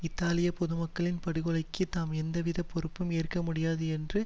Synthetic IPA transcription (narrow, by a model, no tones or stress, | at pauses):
ɪt̪ːaːlɪjɐpɔðɯmɐkːɐɭɪnpɐɽɪɣɔɭɐɪkːɯt̪ːaːmɛnd̪ɐʋɪðɐpːɔɾɯpːɯmeːrkɐmʊɽɪjaːðɯɛndrɯ